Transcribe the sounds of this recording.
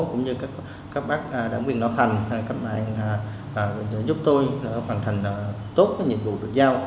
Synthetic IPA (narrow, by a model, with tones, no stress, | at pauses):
kʊ̰˧˥ŋ͡mɲɨ˧kaː˦˥k | kaː˦˥k̚ɓaː˦˥k̚ʔɗaː˧˩ŋɓwi˨˩ənɔ̰˧˦t̪ʰa˨˩jŋ̟a˨˩kaː˦˥t̚ma̰ː˧˨˧ŋː˨˩˨ | zʊ˦˥p̚t̪o˧jlaː˨˩nɔ˨˦xwaː˨˩nt̪ʰŋ̟ː˨˩ | t̪o˦˥t̚kːɲḭ˧˨ənvṵ˧˨ɗɨ˨˩k̚zaː˧w